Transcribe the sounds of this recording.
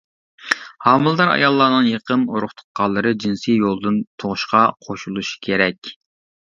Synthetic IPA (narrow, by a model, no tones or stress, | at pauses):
hɑːmɨlˠd̪ɑɾɑ̰jɑlˠːɑːnɨŋjeqʰənoɾʊχt̪ʰʊ̥t̪̚qɑlˠːɨɾɨd͡ʒinsijolˠd̪ɨnt̪ʰoʁʊʃqɑqʰoʃulˠuʃi̥kʲʰeɾɛkʲ